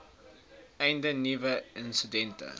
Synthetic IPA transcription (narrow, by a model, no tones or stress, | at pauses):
ɛjndənivəənstydɛntə̰